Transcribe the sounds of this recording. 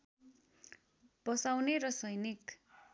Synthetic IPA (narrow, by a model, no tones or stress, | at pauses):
b̥ʌsawneɾʌsʌjnik